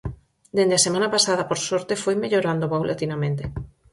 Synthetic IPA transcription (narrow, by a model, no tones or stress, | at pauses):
d̪end̪easemãnapasaðɐpoɾsoɾt̪efojmeʎoɾand̪opawlʔat̪inamẽnt̪e